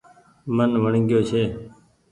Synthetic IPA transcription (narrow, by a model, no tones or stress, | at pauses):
mənʋəɳɡɪjoːt͡ʃʰeː